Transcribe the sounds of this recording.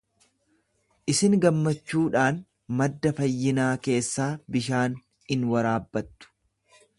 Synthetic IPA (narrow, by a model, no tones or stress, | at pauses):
ʔɪsɪŋɡɐmːɐt͡ʃːuːᶑaːn | mɐd̪ːɐfɐjːɪnaːke̞ːsːaːbɪʃaːn | ɪnwɐɾaːbːɐt̪ːʊ̥